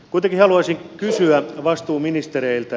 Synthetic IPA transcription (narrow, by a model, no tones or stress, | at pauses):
kuit̪eŋkihɑluɑsiŋkysyæʋɑst̪uːminist̪ereilt̪æ